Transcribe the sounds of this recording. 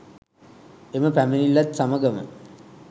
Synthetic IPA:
eməpæmenilːat̪saməɡəmə̰

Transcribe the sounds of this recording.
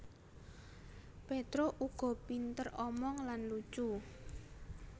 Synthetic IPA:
pet̪ɾoʔuɡ̥ɔ̤pint̪ərɔmɔŋlanlut͡ʃu

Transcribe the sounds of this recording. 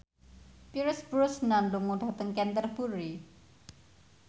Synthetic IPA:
piɾʊsb̥ɾʊsnanlʊŋːud̥at̪əŋkɛnt̪ərb̥uɾi

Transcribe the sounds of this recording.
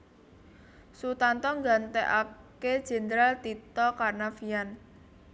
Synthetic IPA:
sut̪ant̪ɔŋɡant̪ɛʔaked̥ʒ̥ɛ̤nd̪ɾalt̪it̪ɔkarnafijan

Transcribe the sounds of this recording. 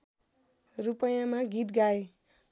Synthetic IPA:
rupʌjãmaɡit̪ɡae

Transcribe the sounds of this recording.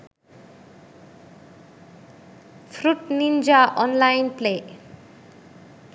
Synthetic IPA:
pʰruʈnind͡zaʔʌnlajnple

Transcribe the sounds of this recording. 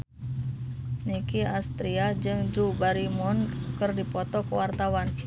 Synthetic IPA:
nikiast̪ɾiad͡ʒɨŋdɾubaɾimɔnkərdipɔt̪ɔkəwart̪awan

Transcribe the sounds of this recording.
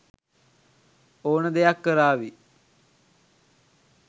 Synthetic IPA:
oːnəd̪ejakːəɾaːʋi

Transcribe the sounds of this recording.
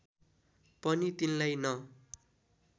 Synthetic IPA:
pʌnit̪inlajnʌ

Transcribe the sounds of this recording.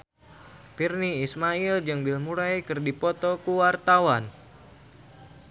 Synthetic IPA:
pirniːsmaild͡ʒɨŋbilmuɾajkɨrdipɔt̪ɔkuwart̪awan

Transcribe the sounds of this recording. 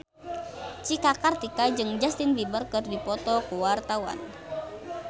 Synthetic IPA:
t͡ʃikakart̪ikad͡ʒɨŋd͡ʒast̪inbibərkɨrdipɔt̪ɔkuwart̪awa̰n

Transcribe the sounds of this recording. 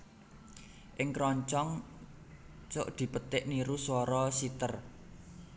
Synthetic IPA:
ʔɪŋkɾɔɲt͡ʃɔŋ | t͡ʃʊʔd̪̥i̤pət̪ɪʔniɾuswɔɾɔsit̪ər

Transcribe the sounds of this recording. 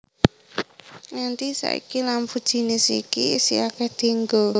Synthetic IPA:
ŋant̪isa̰ḭkilamfud̥ʒ̥i̤nɪsḭkisḭakɛhd̪̥i̤ŋɡo

